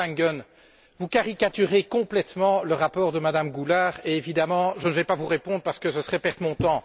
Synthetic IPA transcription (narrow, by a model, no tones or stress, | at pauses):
aŋɡɔn | vukaʁikat̪yʁekɔ̃plɛt̪mɑ̃ləʁapɔːʁd̪əmad̪amɡulaːʁeevid̪amɑ̃ʒənəvɛpavuʁepɔ̃d̪ʁəpaʁsə̥kəsəsəχɛpɛʁd̪mɔ̃t̪ɑ̃